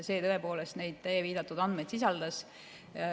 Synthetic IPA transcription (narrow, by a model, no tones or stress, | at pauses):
se̞ːt̪ɤe̞po̞ːlest̪ne̞jd̪̥̚t̪æjeviːd̪ɑt̪ːˑud̪ɑnd̪me̞jd̪̥sisɑld̪̥ɑs